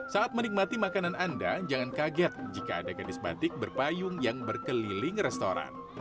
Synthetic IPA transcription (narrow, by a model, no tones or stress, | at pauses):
saat̪̚mənik̚mat̪imakanananda̰d͡ʒaŋankaɡɛt̪̚d͡ʒika̰ːdakanɪsba̰t̪ɪk̚bərpajʊŋjaŋbərkəlilɪŋrɛst̪oɾa̰n